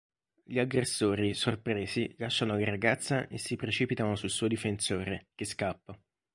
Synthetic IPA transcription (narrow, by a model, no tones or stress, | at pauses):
ʎiaɡɾesːoːɾisorpɾeːzilaʃːanolaraɡat̪sːaʔesːipɾet͡ʃiːpit̪anosulsuːod̪ifensoːɾekeskapːa